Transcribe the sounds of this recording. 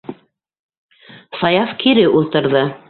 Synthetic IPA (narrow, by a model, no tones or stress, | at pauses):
sɑjɑfkiɾɘʔulˠt̪ɤ̆ɾðɤ